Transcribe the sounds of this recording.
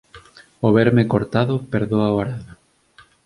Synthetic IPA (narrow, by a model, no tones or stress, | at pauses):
oβɛɾmekoɾt̪aðʊpeɾðoaoaɾaða